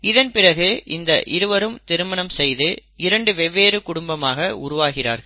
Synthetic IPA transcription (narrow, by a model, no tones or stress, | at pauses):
ɪðɐnpɪrɐɣɯʔɪnd̪ɐʔɪɾɯʋɐɾɯmt̪ɪɾɯmɐnɐmsɛjðɯɪɾɐɳɖɯʋɛʋːeːɾɯkʊɽʊmbɐmaːɣɐʊɾʊʋaːɣɪra̰ːɾɣɐɭ